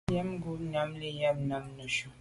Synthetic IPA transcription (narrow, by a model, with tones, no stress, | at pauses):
jɛ˦mɡu˦na˨˦mle˦ja˦bna˨mnu˨ʃu˦